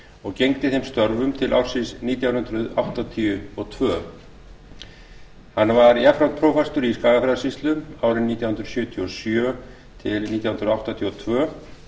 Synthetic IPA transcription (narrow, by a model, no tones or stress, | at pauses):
ɔɣcejŋt̪ɪθejmst̪œɾvʏmt̪ʰɪlʔa̰wr̥sɪsniːt̪jawhʏnd̪ɾʏða̰wht̪at̪ʰijʏɔɣt̪ʰvœː | hanːvaɾjafɾant̪pʰɾoːwfɛst̪ʏɾiskaːɣafɾaðasist̪lʏaːwɾɪnːiːt̪jawhʏnd̪ɾsjʏːt̪ʰiɔsjœː | t̪ʰɪlniːt̪jahʏnɾʏðawht̪at̪ʰjiɔt̪ʰvœː